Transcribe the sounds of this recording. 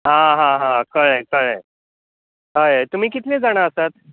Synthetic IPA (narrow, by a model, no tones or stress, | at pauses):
ɦãɦãɦãkəɾekəɭẽ | ɦəjt̪um̤iːk̬it̪ned͡zaɽ̃aəsat̪̚